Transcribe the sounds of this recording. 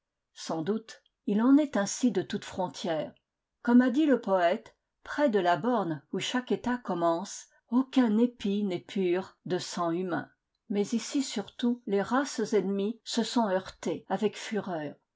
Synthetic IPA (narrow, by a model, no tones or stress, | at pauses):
sɑ̃d̪ut̪ | ilɑ̃nɛt̪ɛ̃sid̪ət̪ut̪fχɔ̃t̪ʰjɛːʁ | kɔmad̪iləpɔɛt̪ | pχɛd̪əlabɔʁnuʃaket̪akɔmɑ̃s | okʲɛ̃nepinɛpʰyʁd̪əsɑ̃ymɛ̰̃ | mɛzisisyʁt̪uleʁaszɛnmisəsɔ̃œʁt̪eavɛkfyʁœːʁ